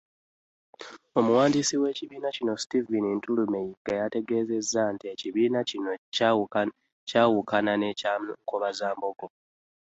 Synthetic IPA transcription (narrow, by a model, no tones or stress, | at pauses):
o̞muwaːndisiwe̞ːciβiːnacino̞si̥tivinintulumejiɡ̥ajate̞ɡe̞ːze̞zːantieciβiːnaino | caːwukananeamŋkoβazaːmboɡo